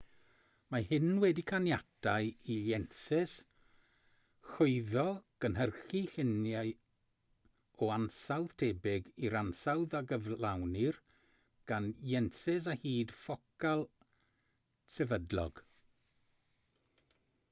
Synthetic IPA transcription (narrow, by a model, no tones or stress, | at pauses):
mahɪnwɛdikʰanjatʰajijɛnsɪs | xʊɨðɔɡ̥ənɦərχiɬɪnjaj | ɔansawð̥tʰeːbɪɡiɾansawðaɡəvlˠawnɪr | ɡ̥anjɛnsɪs̬ahiːd̥fɔkʰalˠ | sɛvədlɔ̰ɡ̥